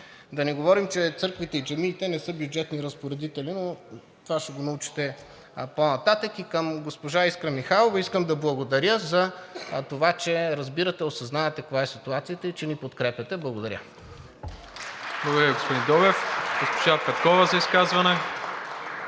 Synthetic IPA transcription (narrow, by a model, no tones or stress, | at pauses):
d̪ɐniɡovɔɾimt͡ʃɛt̪sɤɾkvit̪ɛid͡ʒɐmiːt̪ɛnɛsɤbjud͡ʒɛt̪niɾɐspoɾɛd̪it̪ɛlino | t̪ovaʃɛɡonɐut͡ʃi̥t̪ɛ | ponɐt̪at̪əkikəmɡospoʒaiskɾɐmixalˠovɐiskəmd̪ɐblˠɐɡod̪ɐɾʲjəzɐt̪ovat͡ʃɛɾɐzbiɾɐt̪ɛosɐznavɐt̪ɛkvaɛsit̪uat̪sijət̪əit͡ʃɛnipot̪kɾɛpʲɐt̪ɛblˠɐɡod̪ɐɾʲə̰ | blˠɐɡod̪əɾəɡospod̪ind̪ɔbɛfɡospoʒapɛt̪̚kɔvɐzɐiskazvɐnɛ